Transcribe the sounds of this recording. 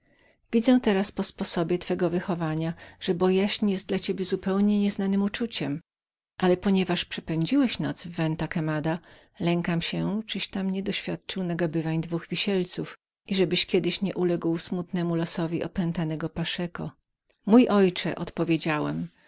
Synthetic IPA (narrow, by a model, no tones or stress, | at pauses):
vʲid̪zɛ̃t̪ɛɾaspɔspɔsɔbʲjɛt̪fɛɡɔvɘxɔvaɲaʐ̥ɛbɔjaɕɲijɛst̪̚d̪lat͡ɕebʲjɛzupɛwɲɛɲɛznanɘmut͡ʂut͡ɕɛm | ʔalɛpɔɲɛvaʂpʂɛ̥pɛɲd͡ʑiwɛɕnɔt̪svːɛnt̪akɛmad̪a | lɛŋkamɕɛt͡ʂɘɕt̪amɲɛd̪ɔɕfʲjat̪̚t͡ʂɘwnaɡabɘvaɲd̪vuɣvʲiɕɛlt̪suf | ʔiʐɛbɘɕkʲjɛd̪ɘɕɲɛʔulɛɡwsmut̪nɛmulɔsɔvʲiʔɔpɛnt̪anɛɡɔpaʂɛkɔ̰ | mujʔɔjt͡ʂɛ̰ʔɔt̪pɔvʲjed͡ʑawɛm